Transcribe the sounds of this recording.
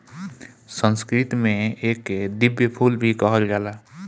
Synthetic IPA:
sə̃nskɾɪt̪mẽeːkd̪ɪbjəpʰuːlbʱikəɦəlɡɛːlaː

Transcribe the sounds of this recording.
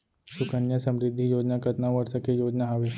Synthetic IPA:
sʊkənjəsɐ̃mɾɪd̪ʱːijoːd͡ʒnakɐt̪naʋəɾsəkejoːd͡ʒnaɦaʋe

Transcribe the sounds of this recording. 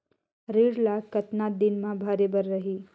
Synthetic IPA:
ɾiːɽlaːkɐt̪naːd̪ɪnmãbʱaːɾeːbəɾːɐɦiː

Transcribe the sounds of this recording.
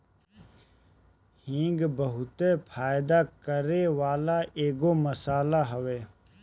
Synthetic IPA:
hĩːŋɡbəɦʊt̪epʰaːjd̪akəɾeʋaːlaeːɡoməsaːlaɦɐʋeː

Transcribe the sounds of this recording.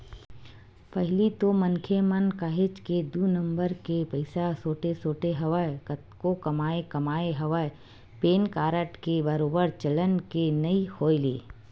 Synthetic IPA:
pɐɦlit̪omɐnkʰemənkaːɦet͡ʃked̪unə̃mbəɾkepɐɪsasoːʈesoːʈeɦɐʋa | kokɐmaːekɐmaːeɦɐʋa | peːnkaːɾəʈkebɐɾoːbəɾt͡ʃɐlənkenɐihoːelḛː

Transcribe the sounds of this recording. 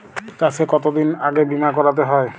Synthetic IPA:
t̪asʰekɔt̪od̪inaɡebimakɔɾat̪̬eɦɔe

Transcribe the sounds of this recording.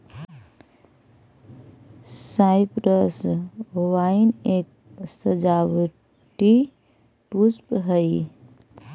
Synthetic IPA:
saɪpɾəsowainek̚ | səd͡ʒaʋ | ʈi | puspɦəj

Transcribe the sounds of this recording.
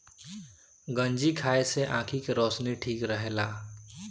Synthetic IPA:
ɡənd͡ʒikʰaeseʔãkʰikeɾɔːsniʈʰiːkɾəɦela

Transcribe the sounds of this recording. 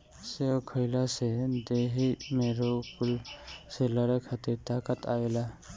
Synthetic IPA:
sɛɔkʰɔjlasɛdeɦimeɾɔkulsɛlaɾɛkʰat̪ɛtakatʰawɛla

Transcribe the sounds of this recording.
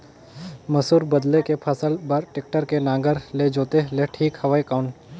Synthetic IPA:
mɐsuːɾbɐd̪lekepʰɐsəlbəɾʈɪk̚ʈəɾkenãːŋɡəɾled͡ʒoːt̪eleʈʰiːkhɐʋaikaːʊɳʈ

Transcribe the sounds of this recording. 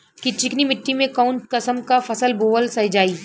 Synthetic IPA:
kit͡ʃɪknimɪʈːimẽkɔʊnkɐsəmkafɐsəlboːʋəlsɐd͡ʒaːiː

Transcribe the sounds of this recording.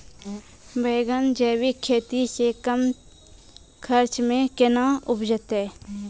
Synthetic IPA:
beːɡənd͡ʒeːwikʰːeːt̪isekəm | kʰəɾt͡ʃmẽkɪnaʊbd͡ʒət̪ɦɛː

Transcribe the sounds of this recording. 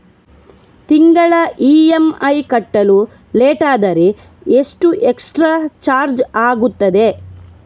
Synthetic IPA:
t̪iŋɡɐɭɐʔiːemɐjkɐʈːɐlu | leːʈaːd̪ɐɾe | eʂʈuʔeksʈɾaːt͡ʃaːɾd͡ʒaːɡut̪ːɐd̪e̞

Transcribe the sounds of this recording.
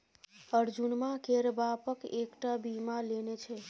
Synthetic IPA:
əɾd͡ʒunmãkeɾbapəkekʈabimãlenet͡ʃʰe

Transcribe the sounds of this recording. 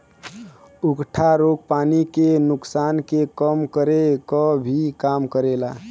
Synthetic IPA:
ukʈʰaɾoɡ̚panikenʊksankekəmkəɾekəbʱikamkəɾela

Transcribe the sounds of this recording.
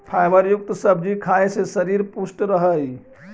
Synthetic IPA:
pʰajməɾjʊk̚t̪səbʱd͡ʒikʰaesesəɾiɾpusʈɾəɦəj

